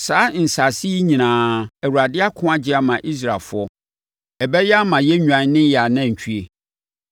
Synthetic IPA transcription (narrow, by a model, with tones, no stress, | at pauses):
saː˨˦n̩˨sa˨sɪ˦i˦ɲĩ˨nãː˨˦ɛ˨wu˨ɾa˨dɪ˦a˦kʰʊ̃˦a˦d͡ʑɪ˦a˦mã˨ʔi˦s̬ɾa˨lfʊ˦ɔ˦ | ɛ˨bɛ˦jɛ˦a˦mã˨jɛ˦ɲᶣũ˨ã˨ɲ˦nɪ̃˦ja˨nã˦˨ɲ̩˨t͡ɕᶣʰu˦e˨